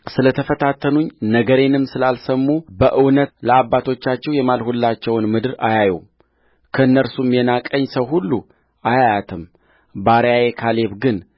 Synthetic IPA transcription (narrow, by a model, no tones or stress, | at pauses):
sɨlət̪ʰəfət̪ʰat̪ʰːənuɲnəɡəɾe̞nɨmsɨlalsəmːubəʔɨwnət̪ləabːat̪ʰo̞t͡ʃːat͡ʃːɛwjɛmalhulːat͡ʃːɛwnmɨd̪ɨɾajajum | kʰəɨnːəɾsumjɛnakʼəɲːsəwɦulːu | ajajat̪ʰɨm | baɾjajekʰale̞βɡɨn